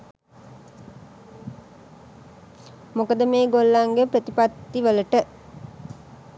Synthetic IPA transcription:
mukəd̪ɐmeːɡolːaŋɡepɾət̪ipat̪ːiʋəlɐʈə

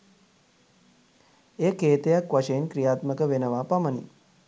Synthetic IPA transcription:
eːkeːt̪ejakʋaʂeinkɾijaːt̪məkəʋenəʋaːpamənḭ

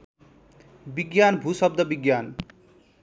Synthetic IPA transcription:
biɡjanbʱusʌb̚d̪ʌbiɡjan

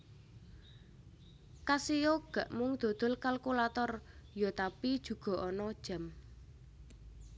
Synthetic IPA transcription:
kasijoɡ̥a̤ʔmʊŋd̪̥o̤d̪̥o̤lkalkulat̪ɔrjot̪apid̥ʒ̥ṳɡ̥ɔ̤ʔɔnɔd̥ʒ̥a̤m

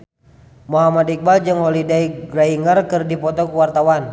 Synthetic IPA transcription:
moɦamadik̚bald͡ʒɨŋhɔlidaiɡraiŋərkɨrdipɔt̪ɔkuwart̪awan

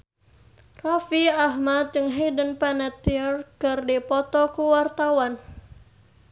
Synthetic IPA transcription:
rafiaɦmat̪̚d͡ʒɨŋɦedənpanat̪iərkərdipɔt̪ɔkuwart̪awan

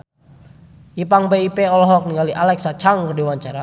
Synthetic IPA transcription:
ipaŋbeipeɔlɔɦɔk̚niŋaliʔalɛksat͡ʃaŋkərdiwaɲt͡ʃaɾa

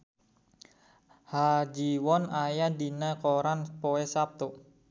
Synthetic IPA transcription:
had͡ʒiwɔnajadinakoɾanpoɛsap̚t̪o

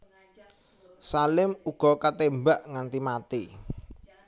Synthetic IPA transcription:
salɪmuɡ̥ɔ̤kat̪embaʔŋant̪imat̪i

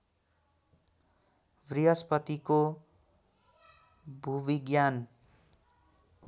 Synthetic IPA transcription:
briɦʌspʌt̪iko | bʱubiɡjan

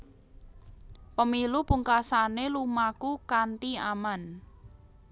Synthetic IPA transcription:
pəmilupuŋkasanelumakukaɳʈiaman

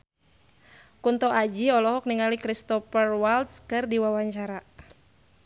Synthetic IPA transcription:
kunt̪ɔʔad͡ʒiɔlɔɦɔk̚niŋalikɾist̪ɔfərwalt̪skɨrdiwawaɲt͡ʃaɾa

